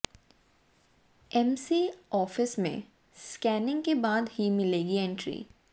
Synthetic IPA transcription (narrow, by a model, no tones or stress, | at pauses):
ɛmsiɔːfɪsmḛ̃ | skɛːnɪ̃ŋɡkebaːd̪himɪleːɡiɛ̃ɳʈɾḭː